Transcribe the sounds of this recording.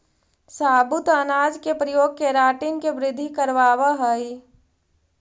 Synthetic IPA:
saːbʊt̪ənaːd͡ʒkepɾɐjoːɡ̚keɾaːʈɪnkeʋɾɪd̪ʱːikəɾʋaːʋaɦəi

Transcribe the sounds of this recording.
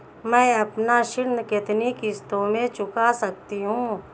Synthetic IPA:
mɛ̃ːɐpnaʃɪɾnəkɪt̪nikɪst̪õmẽt͡ʃʊkasɐk̚t̪iɦũː

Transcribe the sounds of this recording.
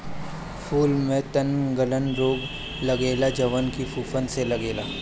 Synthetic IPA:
pʰuːlmẽt̪ənɡələnɾoːɡ | lɐɡeːlad͡ʒɐʋənkifuːfənselɐɡeːlaː

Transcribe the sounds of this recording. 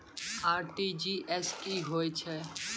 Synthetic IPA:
aːɾʈid͡ʒiʔɛskiɦoːit͡ʃʰɛ

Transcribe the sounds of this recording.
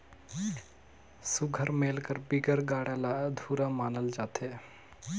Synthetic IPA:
suɡʱəɾmeːlkəɾbiɡəɾɡaːɽalad̪ʱuːɾamaːnəld͡ʒaːt̪ʰe

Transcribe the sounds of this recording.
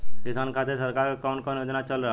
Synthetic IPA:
kisankʰat̪ʰesəɾkaɾkekaʊnkɔnjod͡ʒnat͡ʃəlɾəɦ

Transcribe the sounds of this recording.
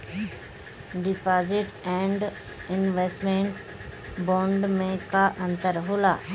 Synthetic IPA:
ɖɪpazɪʈɛ̃ɳɖ | ɪnʋesʈmẽːɳʈ | bɔ̃ːɳɖmẽkaʔɐ̃nt̪əɾɦola

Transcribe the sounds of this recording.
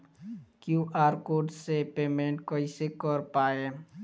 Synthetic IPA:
kjuːʔaːɾkoːɾɖsepeːmẽɳʈkoisekəɾpaːe

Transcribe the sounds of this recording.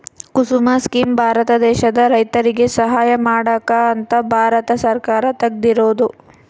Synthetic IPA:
kusumaskiːmbʱaːɾɐt̪ɐd̪ɛːʃɐd̪ɐɾɐjt̪ɐɾiɡe̞sɐɦaːjɐmaːɽɐkaːɐnt̪ɐbʱaːɾɐt̪ɐsɐɾkaːɾɐt̪ɐɡ̚d̪iɾoːd̪u

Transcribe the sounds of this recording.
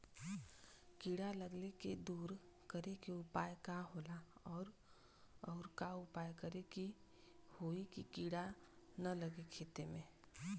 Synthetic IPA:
kiːɽaləɡleked̪uːɾ | kəɾekeʊpaːjkaɦoːlaɔːɾ | ɔːɾkaʊpaːjkəɾeki | hoːikikiːɽa | nɐləɡekʰeːt̪emẽː

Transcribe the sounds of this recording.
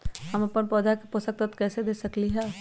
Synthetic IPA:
hɐmɐpənpɔːd̪akepʊsək̚t̪ət̪kɛːsed̪eːsɐkliɦɛː

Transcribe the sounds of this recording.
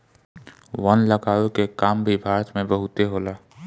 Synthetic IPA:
wənləɡaːwekekaːmbʱibʱaːɾət̪mẽbəɦʊt̪eɦoːlaː

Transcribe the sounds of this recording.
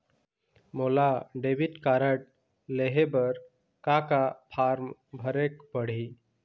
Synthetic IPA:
moːlaɖebiʈkaːɾəʈ̚ | leɦebəɾ | kakapʰaːɾmbʱəɾekbəɽ̤i

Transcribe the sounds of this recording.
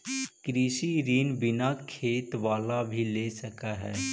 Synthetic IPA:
kɾiːsiɾiːnbɪnakʰeːt̪ʋaːlabʱileːsɐkaɦɛː

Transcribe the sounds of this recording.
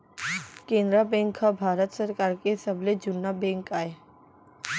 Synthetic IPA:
kẽːnd̪ɾabɛ̃ŋkʰhabʱaːɾət̪səɾkaːɾkesəbled͡ʒʊnːabɛ̃ːŋkaːe

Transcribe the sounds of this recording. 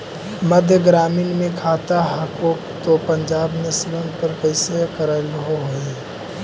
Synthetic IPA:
məd̪ʱjəɡɾaːmiːnmẽkʰaːt̪aɦəkoːkt̪opə̃ɲd͡ʒaːbnɪslənpəɾkəɪsekəɾəlɦoɦoːi

